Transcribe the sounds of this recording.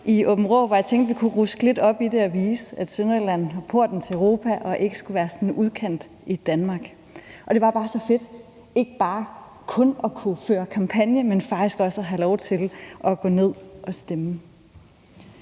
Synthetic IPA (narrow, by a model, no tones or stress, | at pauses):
iɔ̽b̥m̩ʁɔːʋɑjɑ̈ɪt͡sʰeŋɡd̥ʋikʰuʁusɡ̥le̝d̥ɒ̽b̥id̥e̝ɒʋiːsəæd̥sønɐlæn̰ɦɒpʰo̝ɐ̰d̥n̩t͡sʰe̝ʁo̝ːpʰæʔɒ̽ʔe̝ɡ̥əsɡ̥uʋæːɐsɒ̽n̩uð̞ˠkʰen̰d̥ | id̥ænmɑ̈ːɡ̥ | ʔɒ̽d̥e̝ʋɑ̈b̥ɑ̈ːsɒ̽fe̝d̥ | e̝ɡ̥əb̥ɑ̈ː | kʰɔ̽nɒkʰuføːɐkʰɑ̈mpʰænjəmenfɑ̈ɡ̥̚d̥isɡ̥ɒ̽səæɦælɒʊt͡sʰe̝lʔɒ̽ɡ̥ɔ̽ne̝ð̞̰ˠʔɒ̽sd̥emə